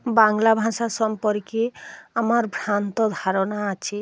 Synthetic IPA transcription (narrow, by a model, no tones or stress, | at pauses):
baŋlabʱãsasɔmpɔɾkeamaɾbʱɾant̪ɔd̪ʱaɾɔnaːt͡ʃʰi